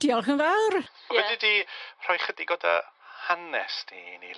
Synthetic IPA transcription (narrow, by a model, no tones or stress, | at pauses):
d̥iɔlˠxənvawrɔvɛdidir̥ɔjχədiɡoːdə̰hanɛstinḭ